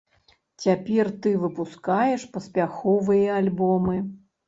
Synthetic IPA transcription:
t͡sʲapʲɛrt̪ɨvɨpuskajɛʂpɐsʲpʲaxɔvɨjɐalʲbɔmɨ

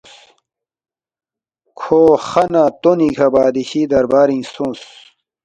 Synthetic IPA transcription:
kʰoːxɐnat̪onikʰɐbaːd̪iɕiːd̪ɐɾbaːɾĩːsõːs

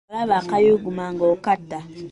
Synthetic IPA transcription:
βaβakajoɡumaŋɡokatːa

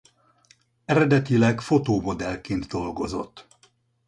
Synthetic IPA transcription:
ɛɾɛd̪ɛt̪ilɛkfo̞t̪oːmo̞d̪ɛlkeːnd̪d̪o̞lɡo̞zo̞̰t̪ː

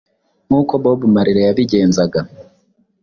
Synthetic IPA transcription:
ŋ̥uːko̞βo̞ːβumaɾiɾe̞jaβiɟe̞ːnzaɡa

